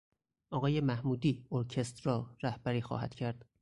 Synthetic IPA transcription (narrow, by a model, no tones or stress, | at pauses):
ʔɒːɣɒːje̞mæhmuːd̪iːoɾcʰe̞st̪rɒːɾæhb̥æɾiːxɒ̰ːhæ̰d̪̥cʰæɾd̪̥